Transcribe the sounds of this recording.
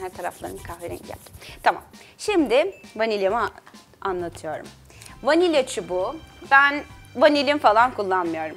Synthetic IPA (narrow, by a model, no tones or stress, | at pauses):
hæɾt̪ʰaɾa̰flˠaɾɯnkʰahveɾḭnɟɛ̰lʲt̪ʰama̰mʃimd̪ɪvanilʲemɯ | anlˠat̪ʰɯjo̞ɾṵm | vanilʲat͡ʃʰububænvanilʲimfalˠankʰulˠːanmɯjo̞ɾum